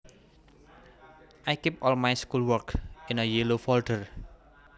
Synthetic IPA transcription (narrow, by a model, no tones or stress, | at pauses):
ʔajkipɔlmajskulwəɹkɪ̃nəjelofɔlʈər